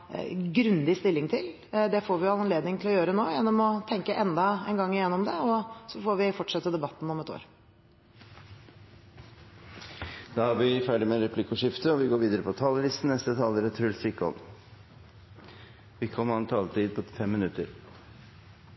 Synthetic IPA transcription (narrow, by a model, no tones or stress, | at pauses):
ɡɾʉnd̪ɪst̪ɪlːɪŋt̪ʰɪl | d̪ɛfoːɾʋɪɑnnleːd̪nɪŋt̪ʰɪlɔjøːɾənoːjɛnːɔmɔt̪ʰɛŋkəʔɛnd̪ɑɛnɡɑŋːɪjɛnːɔmd̪ɛɔsɔfoːɾʋɪfɔʈʂɛt̪ːəd̪ɛbɑt̪ːn̩ɔmɛt̪o̰ːɾ | d̪̥ɑːhɑɾʋɪfæːɖɪmɛɾɛpʰlɪkʊʂɪft̪əɔʋɪɡoːɾʋiːd̪əɾəpʰɔt̪ʰɑːləlɪst̪n̩ɛst̪ət̪ʰɑːləɾət̪ʰɾʉlsɪkɔ̰l | ʋɪkʰɔmɑnt̪ʰɑːlt̪ʰiːd̪̚pʰɔfɛmːɪnʉt̪əɾ